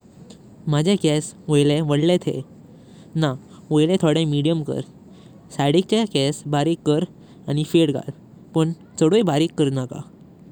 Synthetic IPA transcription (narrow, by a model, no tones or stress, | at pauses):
mad͡ʑʱekɛsʋojleʋəɽlet̪ʰḛ | na | ʋojlɛ̃t̪ʰoɽɛ̃miɽijəmkə̰ɾ | saɽik̚t͡ɕakɛsbaɾikːəɾ | añifeɽɡa̰l | pəɳ | t͡səɽojbʱaɾikːəɾnaka̰